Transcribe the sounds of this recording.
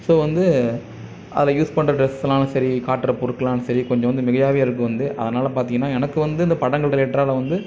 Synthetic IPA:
soːʋɐnd̪ɯ | ʔɐ̰ðɐjuːspɐɳːɾɐɖɾɛslãːnɯsɐɾikaːʈːɾɐpɔɾɯkːɐlaːnɯsɐɾikɔɲd͡ʒɔ̃ʋɐnd̪ɯmɪɣɐjaːʋeːɪɾɯkːɯʋɐnd̪ɯʔɐ̰ðɐnaːlɐpaːɾt̪iŋɡɐnːaːɛnɐkːɯʋɐnd̪ɯɪnd̪ɐpɐɽɐŋɡɐɭɽɛʈːraːlɐʋɐnd̪ɯ

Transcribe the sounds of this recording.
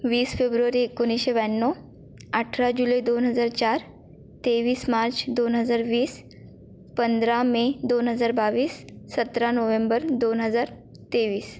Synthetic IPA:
ʋiːsfebɾuʋaɾiekːoniɕeʋanːɔ | aʈʰɾad͡ʑuləjd̪onɦəd͡zaɾt͡ɕaɾ | t̪eʋiːsmaɾt͡ɕd̪onɦəd͡zaɾʋiːs | pənd̪ɾamed̪onɦəd͡zaɾbaʋiːsːət̪ɾanoʋembəɾd̪onɦəd͡zaɾ | t̪eʋiːs

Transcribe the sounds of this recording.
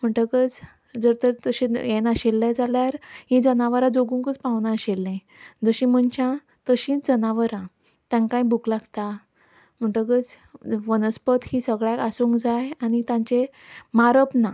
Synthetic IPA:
m̤əɳʈəkət͡s | d͡zəɾt̪əɾt̪əɕĩjenaɕelːad͡zaljaɾɦĩd͡zənaʋəɾãd͡zoɡũŋkət͡spãʋnãɕelːẽ | d͡zəɕĩm̤əɳt͡ɕã | t̪əɕĩd͡zənaʋəɾã | t̪jãŋkãĩbʱuklaɡt̪a | m̤əɳʈəkət͡s | ʋənəspət̪hisəɡɭjakasuŋkd͡zajañit̪jãɲt͡ɕe | maɾəpna

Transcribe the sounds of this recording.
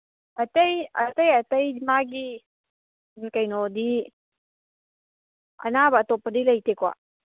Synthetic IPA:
ɐtɐjɐtɐjɐtɐjmaɡi | nikajnɔdi | ɐ̰nabɐːtɔpːɐdilɐjtekwa̰

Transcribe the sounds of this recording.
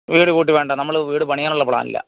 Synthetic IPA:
ʋiːɽɨkuːʈ̬ːiʋeːɳɖɐnɐmːɐɭʋiːɽɨpɐɳijaːnuɭːɐpɭa̰ːnḭlːɐ̰

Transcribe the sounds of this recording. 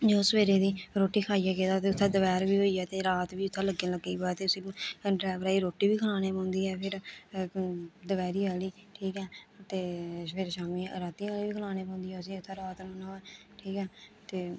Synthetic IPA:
d͡ʒoːsəʋeːɾeːd̪iːɾoːʈiːkʰaːijaːkeːd̪aːt̪eːʊt̪ʰːãːd̪əʋɛːɾʋiːɦoːiːɛːt̪eːɾaːt̪ʋiːʊt̪ʰːãːləɡeləɡiːboɛːt̪eːʊsĩːɖɾɛːʋɾaːiːɾoːʈiːbiːkʰəlaːneːpãːnd̪iːɛːpʰɪɾ | d̪əʋɛːɾiːʋaːliːʈʰiːkɛːt̪eːpɪɾʃaːmiːɾaːt̪iːaːliːʋiːkʰəlaːneːpɔ̃ːnd̪iːɛːʊsiːʊt̪ʰːaːɾaːt̪mənaːɛː | ʈʰiːkɛːt̪eː

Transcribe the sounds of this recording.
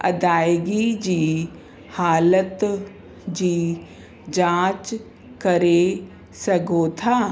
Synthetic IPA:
ɐ̰d̪aːjɡid͡ʒiː | haːlət̪ | d͡ʒiː | d͡ʒãːt͡ʃ | kɐɾe | sɐɡoːt̪ʰaː

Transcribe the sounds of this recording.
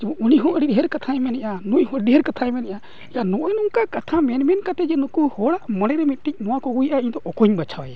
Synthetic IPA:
d͡ʒɛbɔuniɦɔʔəɽiɗɦɛɾkat̪ʰaɛmɛnɛʔanujɦɔiɗɛɦɛɾkat̪ʰaɛmɛnɛʔa | ɛjanɔʔɔnuŋkakat̪ʰamɛnmɛnkat̪ɛd͡ʒɛnukuhɔɽaʔmɔɽɛɾɛmit̪̚ˀʈic̚ˀmɔwakɔɡujʔaiɲd̪ɔʔɔkɔɲbat͡ʃʰawa

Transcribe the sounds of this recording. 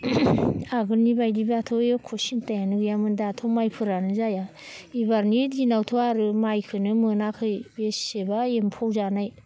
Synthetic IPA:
aɡɯnibajdibaatʰojekʰosintajanɯɡɯjamɯndatʰomajpʰɯɾanɯzaja | ibaɾnitɡinawtʰoaɾɯmajkʰɯnɯmɯnakʰɯjbesebaempʰowzanaj

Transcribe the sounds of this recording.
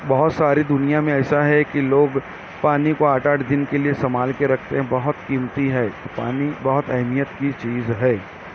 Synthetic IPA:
bɐɦʊt̪saːɾid̪ʊnijamẽɛːsaɦɛkiloːɡ | paːnikoaːʈaːʈd̪ɪnkeliesɐmaːlkeɾɐkʰt̪eɦɛ̃bɐɦʊt̪kiːmt̪iɦɛːt̪opa̰ːnibɐɦʊt̪ɛɦmijət̪kit͡ʃiːzɦɛː

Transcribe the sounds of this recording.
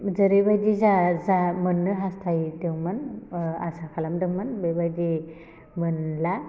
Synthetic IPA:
zɯɾɯbajdizazamɯnːɯɦastʰajdewmɯna̰sakʰalamdɯŋmɯnbejbajdi | mɯnla

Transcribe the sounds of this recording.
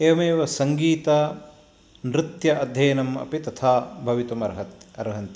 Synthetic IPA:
eːʋɐmeːʋɐsɐŋɡiːt̪aː | nɾɪt̪jɐʔɐd̪ʱjɐjɐnɐmɐ̰pit̪ɐt̪ʰaːbʱɐʋit̪umɐɾɦɐt̪ɐɾɦɐnt̪i

